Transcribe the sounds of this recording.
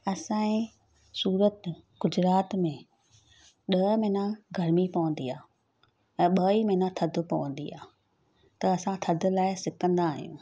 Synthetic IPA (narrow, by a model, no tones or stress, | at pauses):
ɐsãːẽ | suːɾət̪ɡʊd͡ʑɾaːt̪mẽ | ɗɐmẽːnãɡʱɐɾmipɐʋə̃nd̪iaː | ɛ̃ːɓɐimẽːnãt̪ʰɐd̪ʱʊ̆pɐʋə̃nd̪ḭa̰ː | t̪ɐɐsãt̪ʰɐd̪ʱʊ̆laːɪsɪkə̃nd̪aːɦijṵ̃ː